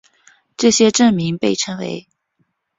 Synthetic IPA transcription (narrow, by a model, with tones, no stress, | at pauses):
ʈ͡ʂɤ˥˩ɕjɛ˥ʈ͡ʂə˥˩ŋmi˧˥ŋpe˥˩ɪʈ͡ʂʰə˥ŋwe˧˥ɪ